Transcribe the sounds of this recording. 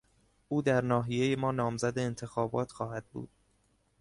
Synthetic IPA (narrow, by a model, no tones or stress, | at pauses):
ʔuːd̪æɾnɒːɦije̞jemɒːnɒːmzæd̪eːnt̪ʰe̞xɒːbɒ̰ːt̪ʰxɒːhæd̪̚bṵːd̪̥̚